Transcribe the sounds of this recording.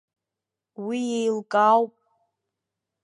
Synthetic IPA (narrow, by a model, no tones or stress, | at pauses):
wijejlkʼawpʼ